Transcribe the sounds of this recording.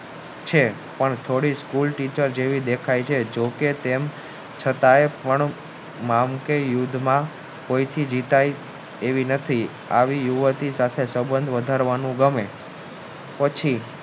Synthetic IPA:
t͡ʃʰe | pəɳt̪ʰoɽiskulʈit͡ʃəɾd͡ʒeʋid̪ekʰajt͡ʃʰed͡ʒoket̪em | t͡ʃʰət̪aepəɳ | mamkejud̪ʱmã | koit̪ʰid͡ʒit̪aj | eʋinət̪ʰi | a̰ʋijuʋət̪isat̪ʰesəbənd̪ʱʋəd̪ʱaɾʋanũɡəme | pət͡ʃʰi

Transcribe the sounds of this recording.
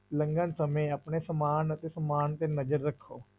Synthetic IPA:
ləŋɡənsəmẽːəpɳeːsəmaːnət̪eːsəmaːnt̪eːnəd͡ʒəɾːəkʰːoː

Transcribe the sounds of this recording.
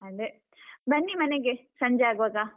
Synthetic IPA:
ɐnd̪e | bɐnːimɐneɡesɐɲd͡ʒeaːɡuʋaːɡa

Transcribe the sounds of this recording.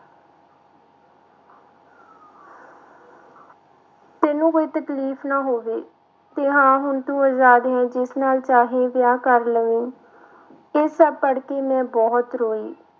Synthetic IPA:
t̪ɛːnũːkoːiːt̪əkliːfʰnaːɦoːʋeː | t̪eːɦãːɦʊnt̪ũːaːzaːd̪ɦɛ̃ːd͡ʒɪsnaːlt͡ʃaːɦeːʋjaːkəɾləʋẽː | eːsəb̚pːəɽkeːmɛ̃ːbɔːt̪ɾoːiː

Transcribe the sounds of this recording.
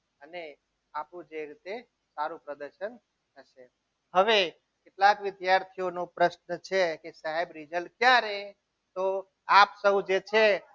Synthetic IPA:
əne | apũd͡ʒeɾit̪e | saɾũpɾəd̪əɾʃən | əʃe | ɦəʋe | keʈlakʋɪd̪jaɾt̪ʰijonopɾəʃnət͡ʃʰekesaɦebɾid͡ʒəlkjaɾe | t̪o | apsəɦũd͡ʒet͡ʃʰe

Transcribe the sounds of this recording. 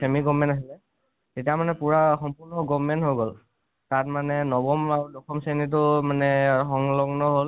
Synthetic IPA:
semiɡɔmːɛntaɦilɛ | tetijamanɛpuɹaxɔmpuɹnɔɡɔmmːɛntɦojɡol | tatmanɛnɔbɔmaɹudɔkʰɔmsenit̬ʊmanɛxɔŋlɔɡnɔɦol

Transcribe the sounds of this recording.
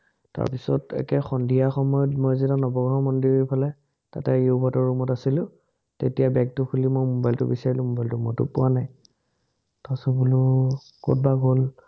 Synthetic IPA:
ta̰ɹpisɔtɛ̰kɛxɔndʱijaxɔmɔjɔtmɔjzitanɔbɔɡɔɔmɔndiɹipʰalɛ | ta̰tɛebʱɔtɔɹumɔtasilʊ | tetijabɛk̚tʊkʰulimojmobajltʊ̰bisaɹilʊ̃mɔbajltʊmɔtʊ̰pʊwanaj | tasɔbulʊ | ko̰t̚baɡol

